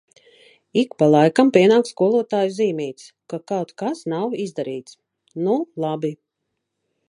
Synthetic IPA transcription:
ikpalˠajkampʲiɛnaːkskuɔlˠuɔt̪aːjuziːmiːjt̪s | kakawt̪kasnawizd̪aɾiːt̪s | nulˠabi

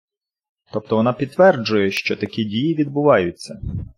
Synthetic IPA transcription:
t̪ɔp̚t̪ɔʋɔnɑpʲid̪t̪ːʋɛrd͡ʒʊjɛʃt͡ʃɔt̪ɐkʲidʲijiʋʲid̪̚bʊʋɑjʊt͡sʲːɐ

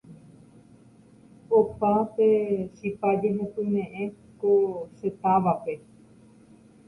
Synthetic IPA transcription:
opãtesipad͡ʒeɦẽkɨnẽʔẽ | koset̪aʋape

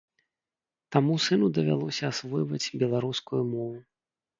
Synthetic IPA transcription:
t̪amusɨnud̪ɐvʲa̰lˠɔsʲɐːsvɔjvɐt͡sʲbʲɛlˠaɾuskujumɔvu

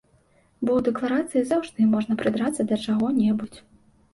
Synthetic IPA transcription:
bɔwd̪ɛklˠaɾat̪sɨjizawʐd̪ɨmɔʐnɐpɾɨd̪ɾat̪sːɐd̪ɐt͡ʂaɣɔnʲɛbut͡sʲ

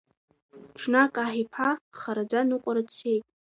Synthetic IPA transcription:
ʈ͡ʂʰnakʼaħipʰaχaɾad͡zanuqʷʼaɾat͡sʰejtʼ

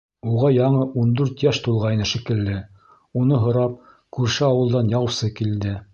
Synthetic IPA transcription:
uʁɑjɑɴɤʔund̪ʉɾt̪jæʃt̪ulˠʁɑjnɤʃĭkɘ̆lːɘ | unɤɦŏɾɑp̚ | kʉɾʃɘɑwɤ̆lˠd̪ɑnjɑwsɤkild̪ɘ

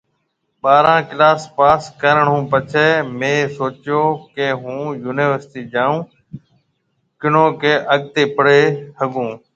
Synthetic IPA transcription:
ɓaːɾãːkɪlaːspaːskəɾəɳ̤ũːpət͡ʃʰɛːmẽːsoːt͡ʃjoːkeːɦũːjuːnɪːʋəɾsʈiːd͡ʒãːũː | kɪɳõːkeːʔəɠ̚t̪eːpəɽeːhəɠũː

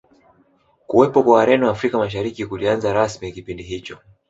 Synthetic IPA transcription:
kuwɛpɔkwawaɾɛniwaːfɾikamaʃ̬aɾikikulianzaɾasmiakipindiɦit͡ʃɔ

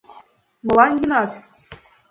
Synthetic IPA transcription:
mɤ̆lˠɑnʲjinɑt̪ʲ

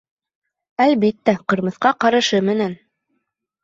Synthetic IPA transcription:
ælbit̪ːæqɤ̆ɾmɤ̆θqɑqɑɾɤ̆ʃɤmɘ̆næn

